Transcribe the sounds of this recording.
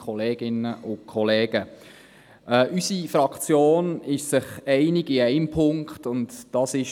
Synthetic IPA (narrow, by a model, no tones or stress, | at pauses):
kʰɔleːɡ̥ɪnəʔʊkʰɔlɛːɡ̥ə | ʔɛːʔysifɾɑkt͡sjoːnɪʃsɪχɛɪnɪɡ̥ɪɛɪmpʰʊŋktʊndd̥ɑsɪʃ